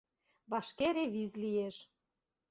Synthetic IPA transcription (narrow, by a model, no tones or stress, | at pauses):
βɑʃkeɾeβizlieʃ